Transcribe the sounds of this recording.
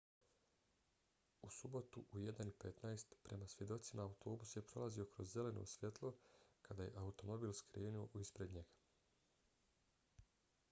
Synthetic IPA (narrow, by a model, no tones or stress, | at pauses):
usubo̞t̪uʔujed̪anipe̞t̪najst̪pɾe̞masʋje̞d̪o̞t̪simaːut̪o̞ːbusje̞pɾo̞lˠazio̞kɾo̞zːe̞le̞no̰usʋjet̪lˠo̞kad̪aje̞̰ʔaut̪o̞mo̞biːlskɾeːnuo̞ʔuispɾe̞d̪ɲe̞ɡḁ